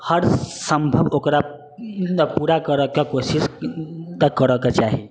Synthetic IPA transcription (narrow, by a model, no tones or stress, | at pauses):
həɾsəmbʱəbokɾa | puɾakəɾəkekosist̪əkəɾəket͡ʃaɦi